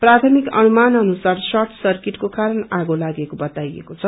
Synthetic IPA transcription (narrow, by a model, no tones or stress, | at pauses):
prat̪ʰʌmikʌ̰numanʌnusarsʌrt̪ʰsʌrkiʈkokaɾʌnaɡolaɡekobʌt̪ajḛkot͡sʰʌ